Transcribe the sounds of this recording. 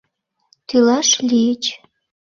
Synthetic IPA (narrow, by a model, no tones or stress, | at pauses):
t̪ylɑʃlijət͡ɕ